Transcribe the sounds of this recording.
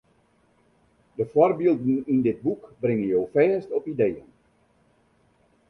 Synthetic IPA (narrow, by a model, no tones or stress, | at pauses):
dəfɔrbilˠdn̩indɪd̚bukbrɪŋənjowfɛːstɔpidejə̰n